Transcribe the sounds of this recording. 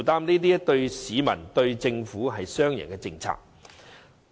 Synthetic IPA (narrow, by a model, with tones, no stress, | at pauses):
t̪aː˥mniː˥t̪iː˥jɐ˥t̪ɵ˧ɥsiː˨˧mɐ̰˨˩nt̪ɵ˧ɥt͡sɪ˧ŋfuː˨˥ɦɐ˨jsœː˥ŋjɪ̰˨˩kɛː˧t͡sɪ˧ŋt͡sʰa̰ː˧˥k̚